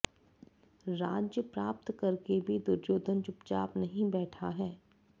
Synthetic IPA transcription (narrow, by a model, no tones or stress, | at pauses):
ɾaːd͡ʒjəpɾaːp̚t̪kɐɾkebʱid̪ʊɾd͡ʒoːd̪ʱənt͡ʃʊpt͡ʃaːpnɐɦĩbɛːʈʰaɦɛː